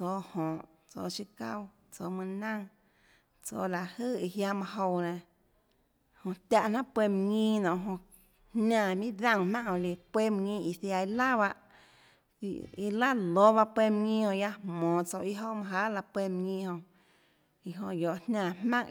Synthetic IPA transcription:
t͡soː˧˨hõ˨ʔ | t͡so̰˧˨t͡ʃi˧ka̰˦w | t͡so˧˨mɨ̃˧nã˦ŋ | t͡so̰ː˧˨la˨hɨ˦˨i˧ɦja˧mã˧ɦo˧wnẽ˨ | hõ˧t̪ʲa˧˨ʔn̥ã˦ʔpwe˧m˧ŋĩ˦˧nɔ̃˨ʔɦõ˧ | hnãː˧˨mĩ˦d̪ã˦˨ŋ˧mã˦ʔhõ˧˨li˨pwe˦˨m˧ŋĩ˧i˧˨θja˧˨i˧la˦βa˧ʔ | i˧la˦lo˦βa˧pwe˧m˧ŋĩ˦hõ˧ʔja˦hmɔ̃ː˨t͡so˧˨i˧ɦo˦mã˧ɦa˦ʔla˧pwe˧m˧ŋĩ˧hõ˧ | i˧˨ɦõ˧jo˨ʔnnãː˦˧˨hmã˦ŋ

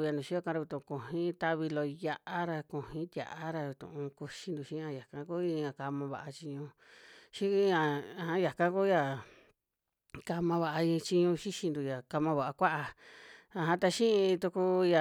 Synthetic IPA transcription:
ja˧nd̪ũ˨ʃi˦o˦kã˧ɾa˧βi˧t̪ũ˧kũ˨ɦĩ˦t̪a˧βi˧lo˧ja˧ʔa˦ɾa˧kũ˨hĩ˦t̪ʲja̰˨ʔa˧˦ɾa˧t̪ṵ̃˨ʔũ˧ku˧ʃi˧nd̪u˨ʃĩ˦ã˧ja˨kã˧ku˦ĩ˧ã˧ka˧mã˧βa̰˧ʔa˧t͡ʃi˧ɲũ˧ | ʃĩ˦ã˧˨˧hã˧ja˨kã˦ku˦ja˨ | ka˧mã˧βa˧ʔa˧ĩ˧t͡ʃi˧ɲũ˧ʃi˦ʃi˧nd̪u˧ja˨ka˧mã˧βa˨a˧kʷa˦ʔa˧a˧ɦã˧t̪a˧ʃĩ˦ĩ˧t̪u˧ku˧ja˨

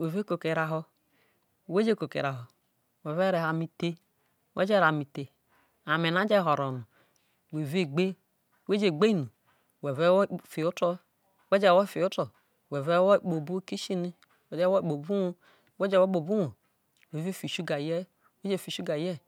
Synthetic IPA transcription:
we˨ve˦ko˨ke˨ɾa˨ɦɔ˦˨ | we˦d͡ʒe˦ko˨kḛ˨ɾa˨ɦo˨ | we˨ve˦ɾe˨ha˨mi˨te˦ | wḛ˦d͡ʒe˦ɾa˨mi˨te˨ | a˨me˨na˦d͡ʒe˦˨ɦo˨ɾo˨nu˨ | we˨ve˦ɡ͡be˦˨ | we˦d͡ʒe˨ɡ͡be˦i˦nu˨ | we˨ve˦fi˨u˦tɔ˦ | we˦d͡ʒɛ˦˨wo˦˨fi˨u˦to˨ | we˨ve˦wo˦˨k͡po˨bu˦ki˦ʃi˦ni˦ | we˨d͡ʒɛ˦o˦˨k͡po˨bu˦wo˦ | we˦d͡ʒe˦wo˦k͡po˨bu˦wo˨ | we˨ve˦˨fi˨ʃu˦ɡa˨jɛ˦˨ | we˦d͡ʒe˦˨fi˨ʃu˦ɡa˨jɛ˦

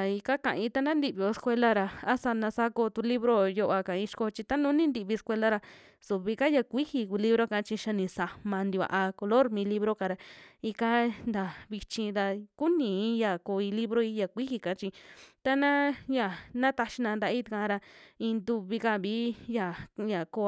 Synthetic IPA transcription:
i˧ka˦kã˨ʔĩ˧˦t̪a˧nã˦nd̪i˧βi˧o˧skʷe˧la˦˧ɾa˧a˦sa˧nã˧sa˧ko˧t̪u˧li˦βɾo˦jo˧ʔa˧ka˨ĩ˧ʃko˧t͡ʃi˧t̪a˦nũː˦nĩ˦nd̪i˧βi˧e˧skʷe˧la˦˧ɾa˧ | su˨βi˧ka˦ja˧kʷi˦hi˧ku˧li˦βɾo˦kã˧˦t͡ʃi˧ʃa˧nĩ˧sa˧mã˧nd̪i˧βa̰˧ʔa˧ko˧lo˦ɾmĩ˧li˦βɾo˦ka˧ɾa˧i˧ka˦nd̪a˨βi˧t͡ʃĩ˧d̪a˧ku˦nĩ˨˧˦ja˨ko˧i˧li˦βɾo˦i˧˦ja˨kʷi˦hi˧kã˨˦t͡ʃĩ˧t̪a˦nã˦ja˨nã˦t̪a˧ʃi˧nã˧nd̪a˧ʔi˦t̪i˧kã˧ɾa˧ĩ˧nd̪u˧βi˧ka˧βiː˨˦ja˨ja˨ko˧

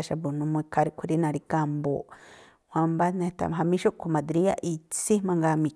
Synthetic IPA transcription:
ʃa˧bu˨nũ˧mũ˧i˧kʰa˧ɾi˧kʷʰi˧ɾi˦nã˧ɾi˧ka˧mbo̰˨ | hʷã˧mba˦nẽ˧t̪a̰˨m˨ɦa˧mĩ˦ʃo˦ʔkʰo˧mã˨d̪ɾi˦a̰˦ʔi˧t͡si˦mã˧ŋɡa˧mĩ˧

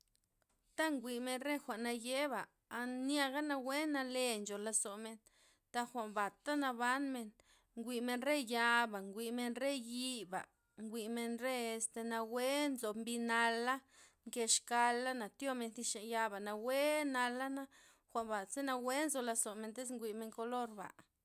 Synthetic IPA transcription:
t̪a˦ŋɡʷi˨me˧nɾe˦xʷa˨ʔna˧je˦ba˨ | a˧nja˧ɡa˦na˧we˦na˧le˧nd͡ʒo˨la˧so˨me˧n | t̪a˧xʷa˨ʔmba˨t̪a˦na˧βa˦nme˧n | ŋɡʷi˧me˧nɾe˦ja˧ba˨ŋɡʷi˧me˧nre˦ji˧ba̰˨ | ŋɡʷi˧me˧nɾe˦e˧st̪e˧na˧we˦nzo˨mbi˧na˧la˦ŋke˧ʃka˧lːa˦na˨t̪jo˦me˧nθi˧ʃe˨ja˧ba˨na˧we˦na˧la˦na˦ | xʷa˨ʔmba˨se˦na˧we˦nzo˧la˧zo˨me˧nt̪e˦s̬ŋɡʷi˧me˧ŋko˧lo˦ɾba̰˨

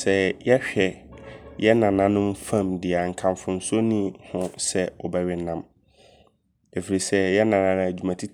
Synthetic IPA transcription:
sɛ˦jɛ˦ɕᶣɛ˨jɛ˦nã˨nã˦nʊ̃˦mfã˦˨mdɪ˨a˨ŋ̩˨kʰã˨mfʊ̃˨n̩˨so˦nĩ˦˨hʊ̃˦sɛ˦ɔ˨bɛ˦ɥɪ˨˦nã˦m | æ˨fi˨ɾi˨sɛ˦jɛ˦nã˨nã˨nʊ̃˨˦æ˨d͡ʑᶣu˨mã˨tʰi˦

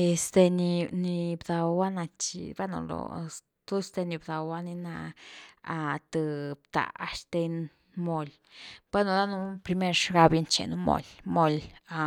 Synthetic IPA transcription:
e˨sd̪e˧ni˧ni˧bd̪a˨˧wa˦na˧t͡ʃḭ˨be˦no̰˧lo̰˨ | t̪o˦st̪e˧ni˧bd̪a˨wa˦ni˧na˧ | a˧t̪ɨ˧bt̪a̰˨a̰˧ʃt̪e˧n | mo˧l | b̥e˦no˧˨d̪a˦nu˧˦pɾi˧me˦˧ɾʂɡa˧bje˧nt͡ʃḛ˨nu˧mo̰˧˨lmo˦la˧

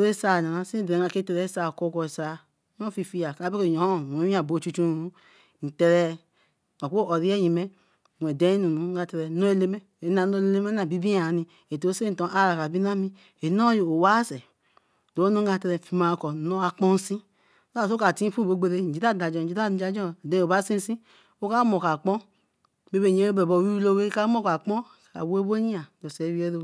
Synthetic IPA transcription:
o˨ɾe˦sa˧˨na˨na˨si˦˨dɛ˨˦a˧˨ke˦tɛ˧ɾɛ˨˦sa˧˨ko˧˦kɔ˧i˨sa˧˦ | n˦ɔ˦fi˧˨fi˧ja˨ka˨a˨˦be˦o˦˨jɔ˨˦˨o˨˦i˦a˨bo˨˦˨t͡ʃu˧t͡ʃu˦nu˨u˨˦ | n̩˨tɛ˧ɾɛ˧ | ma˨ko˦ɔ˨ɾi˦ɛ˦ji˨mɛ˦˨ | ɛ˨dɛ˨˦nũ˨nu˨˦ɡa˧tɛ˧ɾɛ˧no˦e˧˦le˧mɛ˦ | e˨˦na˨˦no˧˦le˧le˦mɛ˦na˨bi˦bi˦a˨nĩ˧ | e˨to˨˦se˦e˦˨tɔ̃˨˦ʔa˦ɾa˨ka˨bi˦na˦mĩ˦ | e˨no˦jo˨o˨wa˦sɛ˨ | do˨o˦nu˦ɡa˧˨tɛ˧ɾɛ˧˨fi˨ma˨kɔ˨no˦a˨k͡pɔ˦n˦sĩ˦ | a˨so˦ka˨ti˦fu˦bo˨˦ɡ͡be˧ɾe˦˨n̩˨d͡ʒi˦ta˦˨da˨d͡ʒɔ˨d͡ʒi˦ta˦˨˦d͡ʒa˦d͡ʒɔ˦˨dɛ̃˨˦˨o˨ba˨˦si˦n˦sĩ˦ | o˦ka˦mo˨ka˨k͡pɔ˦ | be˦be˦˨ɲ˨e˨˦e˦bɛ˨bo˨wi˦i˦lo˦we˦ka˦mo˦˨ka˨k͡pɔ̃˦ | ka̰˨we˦bo˦ɲi˦a˨do˨se˨˦wi˦e˦ɾo˦

